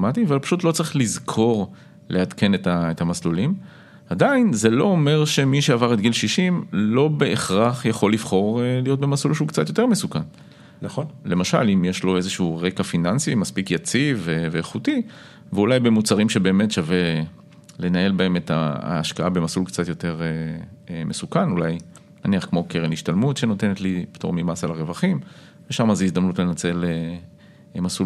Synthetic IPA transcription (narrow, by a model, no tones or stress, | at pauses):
mat̪iavalpḁʃut̪lo̞t͡sɐʁiχlizkʰo̞ʁ | lʔead̪kʰe̞ne̞taet̪amaslulim | ad̪ainze̞lo̞ome̞ʁʃe̞miʃeavaʁet̪̚ɡilʃiʃimlo̞be̞ʔeχʁaχjaχo̞livχo̞ʁlijo̞t̪̚be̞maslulʃeukt͡sat̪jo̞t̪e̞ʁmesukan | nχonle̞maʃa̰limjeʃlo̞ezeʃuʁe̞kafinansimaspikjat͡siveveːχuti | veulajbe̞mut͡saʁimʃe̞be̞ːme̞tʃave | le̞nae̞lbae̞me̞ta̰ːʃkaʔabemasulkt͡sat̪jo̞te̞ʁemesukanulaj | naniaχkmo̞keʁeniʃtalmutʃenot̪e̞net̪lipt̪o̰ʁmimasalaʁevaχim | veʃamazeizd̪amnutlenat͡se̞le | masul